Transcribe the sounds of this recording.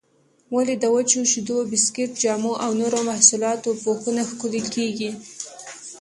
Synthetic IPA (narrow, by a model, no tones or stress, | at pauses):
waled̪awət͡ʃuʃid̪obɪskɪt̪̚d͡ʒɑmuʔawnoɾomahsulɑt̪opoxunaxkulelkeɡi